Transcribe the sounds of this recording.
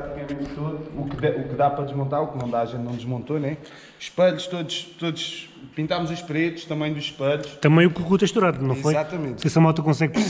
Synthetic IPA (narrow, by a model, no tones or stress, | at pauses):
ɾat̪ikɐmẽnt̪t̪oðuːkɛukɨðapɾɐd̪ɨʒmõnt̪aɾuknɐ̃w̃d̪aːʒẽnt̪nɐ̃w̃d̪ʒmõnt̪onɛ | ʃpɐʎuʃt̪oðuʃt̪oðuʃ | pĩnt̪amuzuʃpɾet̪u̥ʃt̪ɐmɐ̃j̃d̪uʃʃpɐʎuʃt̪ɐmɐ̃j̃ukukut̪ɐʃt̪uɾaðunɐ̃w̃fojzat̪ɐmẽt̪sɛsɐmɔt̪ɐkõsɛɣp